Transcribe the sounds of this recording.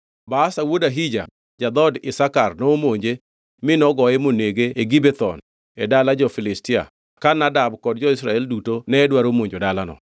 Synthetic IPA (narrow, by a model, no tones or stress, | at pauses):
baːsawodaɦid͡ʒa̰ | d͡ʒad̪ɔdɪsakarnomoɲd͡ʒe | mɪnɔɡɔɛmoneɡeːɡibet̪ɔn | ɛdalad͡ʒɔfɪlɪstɪa̰ | kanadabkɔd̚d͡ʒɔɪsɾaɛldutonɛːdwaɾomoɲd͡ʒodalanɔ̰